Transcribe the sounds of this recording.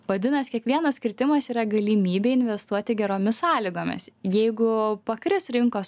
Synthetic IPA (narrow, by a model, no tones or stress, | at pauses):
ʋɐd̪ʲɪnɐskʲiɛkʋʲiɛnɐssʲkʲɪɾʲt̪ʲɪmɐsiːɾɐɡɐlʲiːmʲiːbʲeːɪnʲʋʲɛst̪uɔt̪ʲɪɡʲɛɾoːmʲɪssɑːlʲɪɡoːmʲɪ̰sjɛɪɡʊpɐkɾʲɪsɾʲɪŋkoːs